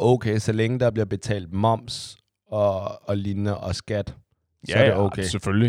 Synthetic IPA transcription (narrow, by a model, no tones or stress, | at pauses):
ʔoʊkʰeːsɒleŋəd̥ɑ̈b̥liɐb̥e̝t͡sʰɛ̰ːld̥mɒ̽m̰s | ɒ̽ːlinəʔɒsɡ̥æd̥ | sɒæɐɾeoʊkʰesefølli